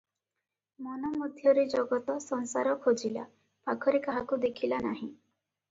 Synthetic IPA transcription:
mɔnɔmud̪ʱjɔɾed͡ʒɔɡɔt̪ɔsɔnsaɾɔkʰod͡ʒila̰ | pakʰɔɾekaɦakud̪ekʰilanaɦĩ

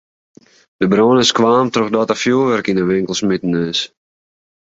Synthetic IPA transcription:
d̥əbroːnəskʋaːmtroxdɔtafjuʋɛrkinəʋɪŋkəl̩ˠsmitənøːs

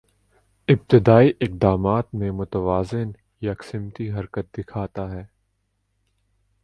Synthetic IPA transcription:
ɪb̚t̪ɪd̪aːiʔɪq̚d̪aːmaːt̪mẽmʊt̪əʋaːzɪn | jɐksɪmt̪iɦɐɾkət̪̚d̪ɪkʰaːt̪aɦɛː

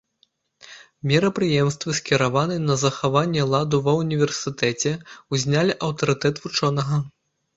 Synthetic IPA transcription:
mʲɛɾɐpɾɨjɛmst̪vɨsʲkʲiɾavan̪ɨnɐzɐxavanʲːɛlˠad̪uvɐwnʲivʲɛrsɨt̪ɛt͡sʲɛuzʲnʲalʲiʔɐwt̪ɐɾɨt̪ɛt̪vut͡ʂɔnɐɣɐ

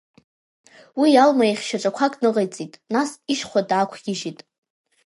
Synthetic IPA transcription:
wijalmaiχʲʃaʈ͡ʂʼakʷʰakʼnɨʁejt͡sʼitʼnasiʃχʷadaːkʷʰɡʲɪʒitʼ

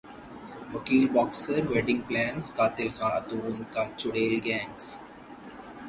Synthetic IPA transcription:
ʋɐkiːlbɔːksəɾʋeːɖɪ̃ŋɡ̚plɛ̃ːnskaːt̪ɪlxãːɐ̰t̪uːmkat͡ʃʊɽeːlɡɛ̃ːms

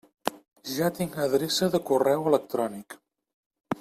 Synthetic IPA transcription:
ʒat̪iŋəðɾesəðəkurɛwələk̚t̪ɾɔnik

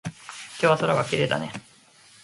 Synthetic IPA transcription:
kʲoːβasoɾaɡakʲiɾe̞ːd̪a̰ne

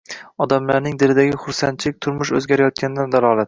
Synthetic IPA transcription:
ɒd̪amlaɾnɪŋd̪ɪɾɪd̪aɡʲɪχʊɾsant͡ʃʰɪlɪk̚ʲt̪ʰʊɾmʊʃɵzɡʲaɾajɒt̪̚kʲanɪd̪and̪alˠɒlˠat̪

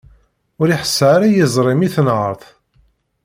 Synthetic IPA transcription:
ʊɾiħə̥sːɾajəzˤɾˤɪmiθnʕəɾˤθ

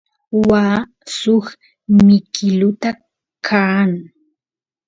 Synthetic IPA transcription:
waː | sʊx | mɪkʰɪlʊt̪a | kʰaːŋ

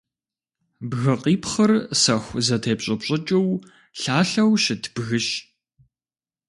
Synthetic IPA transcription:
bɣɨɐqʼiːpχɐrsɐxʷzɐtʰeːpɕʼɐpɕʼɐt͡ʃʼɐw | ɬaːɬɐwʃɪtʰb̥ɣɨʃ

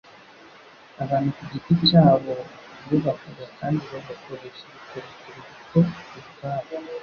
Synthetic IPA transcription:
aβaːn̥hukuɟiticaːβo̞oβakuzakaːndiβoβakoɾe̞ʃeβikoɾekeβiβikouβukaːβa

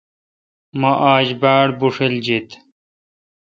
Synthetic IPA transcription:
mɐʔaːd͡ʑbaːɽbuʂild͡ʑit̪

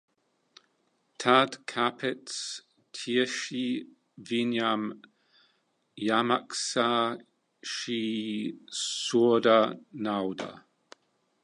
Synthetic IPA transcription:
tʰadkʰapʰɛts | tʰiəʃi | vinjam | jamaksa | ʃi | sudanawda̰

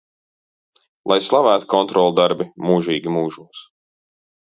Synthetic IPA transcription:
lˠajslˠavæːt̪kɔnt̪ɾɔːlˠud̪aɾbimuːʒiːɡʲimuːʒuːs

